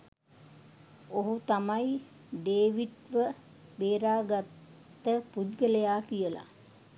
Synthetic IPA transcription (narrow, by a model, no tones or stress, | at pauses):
oɦut̪amaj | ɖeːʋiʈʋə | beːɾaːɡat̪ː | əpud̪ɡələjaːkijəla̰